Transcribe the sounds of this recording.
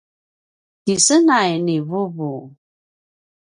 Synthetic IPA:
kisənajnivuvu

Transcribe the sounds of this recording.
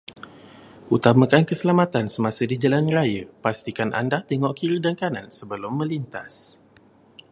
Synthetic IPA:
ʔut̪amakankəsəlamat̪ansəmãsədid͡ʒalanrajəpast̪ikanʔa̰ndaht̪eŋɔʔkiɾidankanansəbəlʊmːə̃lint̪as

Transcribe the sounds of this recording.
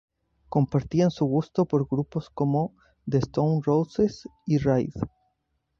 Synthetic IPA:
ko̞mpaɾt̪iansuɣust̪o̞po̞ɾɣɾupo̞sko̞mo̞ | ðest̪ownrowsesirajð

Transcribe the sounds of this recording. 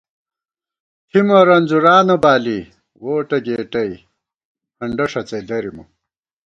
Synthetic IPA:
t̪ʰimɐɾɐnd͡zuɾaːnɐbaːli | woːʈɐɡeːʈɐi | pʰɐɳɖɐʂɐt͡sed̪ɐɾimṵ

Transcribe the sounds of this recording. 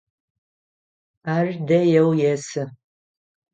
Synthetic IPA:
aːrdɐjɛwjɛsɨ

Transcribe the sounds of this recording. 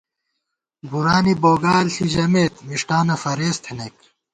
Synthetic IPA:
bʱuɾaːniboːɡaːlt̪ʰiʑɐmeːt̪miʂʈaːnɐfɐɾeːst̪ʰenek

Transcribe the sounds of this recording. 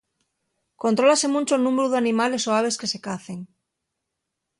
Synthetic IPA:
ko̞nt̪ɾo̞lase̞mũnt͡ʃoenũmeɾuðeanĩmale̞soaβ̞e̞ske̞se̞kaθe̞ŋ

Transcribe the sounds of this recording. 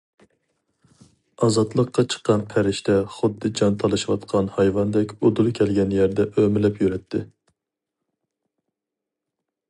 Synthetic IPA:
ɑzɑt̪lˠəqːɑt͡ʃʰə̥qːɑnpʰæɾɪʃt̪ʰɛχʊd̪ːɨd͡ʒɑnt̪ʰɑlˠɨʃwɑt̪qʰɑnhɑjvɑnd̪ɛkʲod̪ulˠkʲʰɛlɡʲɛnjæɾd̪ɛʔømɪlɛpjyɾɛt̪ʰːɪ

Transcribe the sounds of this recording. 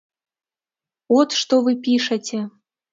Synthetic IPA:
ot̪ʃt̪ovɨpʲiʂə̆tʲĕ

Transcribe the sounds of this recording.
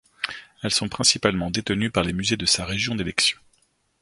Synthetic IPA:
ɛlsɔ̃pχɛ̃sipalmɑ̃d̪et̪ənypaʁlemyzed̪əsaʁeʒjɔ̃d̪elɛksjɔ̃

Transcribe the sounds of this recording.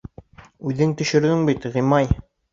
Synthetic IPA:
ʉðɘŋt̪ɵ̆ʃɘ̆ɾɡɘŋbit̪ʁimɑj

